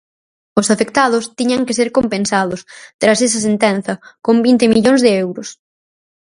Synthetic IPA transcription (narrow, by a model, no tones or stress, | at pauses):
ʊsafekt̪að̞ʊst̪iɲaŋkeseɾkompẽnsaðʊst̪ɾases̬ɐsent̪ɛn̟θɐkombint̪ɪmiʎoŋzðeewɾʊs